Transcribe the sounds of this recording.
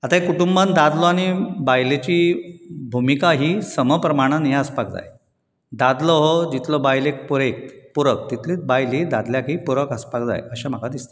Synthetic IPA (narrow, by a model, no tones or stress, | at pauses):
at̪aikuʈumband̪ad̪lɔaɽ̃ibajlet͡ɕiːbʱumikaɦiːsəməpɾəmaɽ̃anjaəspak̚d͡za̰j | d̪ad̪lɔɦɔd͡ʑit̪lɔbajlek̚puɾek̚t̪puɾək̚t̪it̪ʰliːt̪̚bajlid̪ad̪ljakɦiːpuɾəkəspakd͡za̰jəɕam̤əkʰad̪ist̪e̥